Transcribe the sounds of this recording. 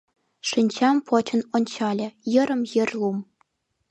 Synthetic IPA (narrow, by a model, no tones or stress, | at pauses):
ʂɘnʲt͡ɕɑmpʰot͡ɕɤ̆nonʲt͡ɕɑlʲɘ̆jɤ̆ɾɤ̆mjɘ̆rʲlˠum